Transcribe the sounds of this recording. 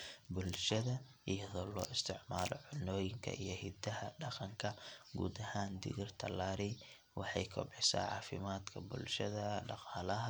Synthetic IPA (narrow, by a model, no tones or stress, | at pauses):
bʊlʃɐðɐ | ʔijɐðɔːlɔːʔɪst̪ʰɪʕmaːlɔ̰ʕʊnɔːjɪŋkʰɐ̰ʔijɞhid̪ɐɦɐɖɑqɑŋkʰɐɡṵːd̪ɐhaːnd̪ɪ̰ɣɪrt̪ʰɐlaːɾɪ | wɑħɑjkʰɔ̰bɛsa̰ːʕɑ̰ːfɪmaːd̪kʰɐbʊlʃɐðɐɖɑqɑːlɐɦɐ